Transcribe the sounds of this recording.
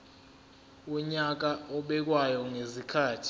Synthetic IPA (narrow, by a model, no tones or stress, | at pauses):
ɔɲak̬aɔɓɛk̬wajɔŋezikʰaːtʰi̥